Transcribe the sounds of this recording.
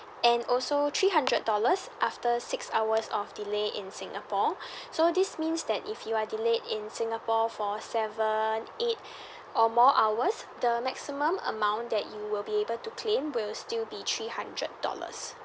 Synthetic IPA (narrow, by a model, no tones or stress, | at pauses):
ɛ̃nɔlsot̪ʰɹiːɦãndɹəd̚dɔləsʔaftəsɪksawəsɔfdileʔɪ̰̃nsɪ̃ŋʔəpɔsodɪsmĩnsdɛtifjuadiledɪ̃nsɪ̃ŋəpɔfɔsɛvə̃net | ɔmɔʔawəsdəmɛksimə̃mə̰mãʊ̃nd̪ɛtjuwɪlbiebəltukʰlẽmwɪlstilbit̪ʰɹihãndɹə̰t̚dɔ̰lə̰s